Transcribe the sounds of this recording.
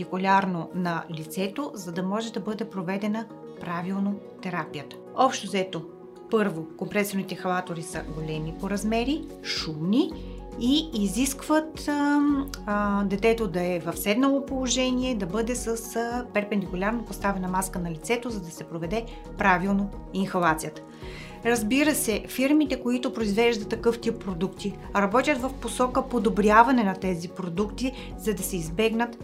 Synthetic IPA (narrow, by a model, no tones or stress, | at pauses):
ikʊlʲaɾnonɐlit̪sɛt̪ozɐd̪ɐmɔʒɛd̪ɐbɤd̪ɛpɾovɛd̪ɛnə | pɾavilˠnot̪ɛɾapijət̪ə̥ | ɔpʃt̪ozɛt̪o | pɤɾvokompɾɛsoɾnit̪ɛxɐlˠat̪oɾisə̰ɡolɛmipoɾɐzmɛɾi | ʃumni | iːziskvət̪ | d̪ɛt̪ɛt̪od̪ɐɛvɐfsɛd̪nɐlˠopolˠoʒɛniɛd̪ɐbɤd̪ɛsəspɛɾpɛnd̪ikʊlʲaɾnopost̪avɛnɐmaskənɐlʲit̪sɛt̪ozɐd̪ɐsɛpɾovɛd̪ɛ | pɾavilˠnoinxɐvˠat̪sijət̪ə̥ | ɾɐzbiɾəsɛfiɾmit̪ɛkoit̪ʊpɾoizvɛʒd̪ɐt̪ːɐkɤft̪ipːɾod̪ukt̪i | ɾɐbɔt̪ʲjət̪vɐfposɔkəpod̪obɾʲjavɐnɛnɐt̪ɛzipɾod̪ukt̪i | zɐd̪ɐsɛizbɛɡnət̪